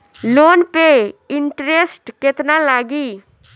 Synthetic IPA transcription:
loːnpeɪɳʈɾesʈkɪt̪nalaːɡiː

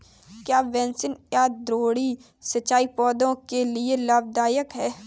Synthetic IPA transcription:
kjaːʋɛ̃ːnsɪnjaːd̪ɾoːɽi | sɐtːʃaːipɔːd̪õkelielaːb̚d̪aːjəkɦɛː

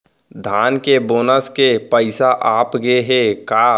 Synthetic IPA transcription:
d̪ʱaːnkeboːnəskepəɪsaʔaːpɡeɦekaː

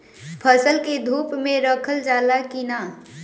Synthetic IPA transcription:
pʰəsəlked̪ʱuːpmẽɾəkʰəld͡ʒaːlakina

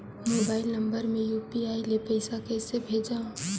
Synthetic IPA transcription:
moːbaːɪlnə̃mbəɾmẽjuːpiaːilepəɪsakɛːsebʱeːd͡ʒaːõ

